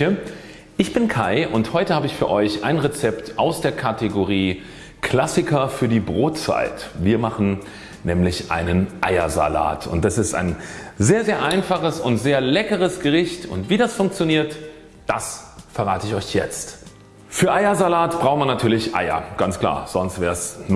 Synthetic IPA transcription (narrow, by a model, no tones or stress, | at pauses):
ə | ʔɪçb̥ɪnkʰaɪʔʊnthɔʏtəhaːbəɪçfyːɐʔɔʏçʔa̰ɪnʁet͡sɛptʔaʊsd̥eːɐkʰateɡoʁiː | kʰl̥asɪkɐfyːɐdiːbʁoːtt͡sa̰ɪtviːɐmaχn̩ | nʔɛːmlɪçʔa̰ɪnənʔa̰ɪɐ̰za̰la̰ːtʰʊ̰ntasɪsta̰ɪnzeːɐzeːɐʔaɪnfaχəsʊntz̥eːɐlɛkəʁ̞əsɡ̥əʁɪçtʊ̰ntv̥iːdasfʊŋk̚t͡sjoniːɐt | d̥asfɛɐʁ̞aːtəɪçɔʏçjɛt͡st | fyːɐʔaɪɐzalaːtb̥ʁaʊχtmanatʰyːɐlɪçʔa̰ɪɐ̰ɡ̥ant͡skl̥a̰ːɐz̥ɔnstv̥ɛːɐsn